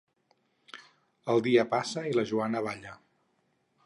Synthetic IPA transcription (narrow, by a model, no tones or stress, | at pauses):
əlˠd̪iəpasəiləʒuanəβ̞aʎə